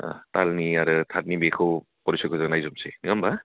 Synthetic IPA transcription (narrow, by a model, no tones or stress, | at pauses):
a̰talniaɾɯtʰat̚nibekʰɯw | pɔɾisɔjkʰɯzaɡnajzɔmseniŋamba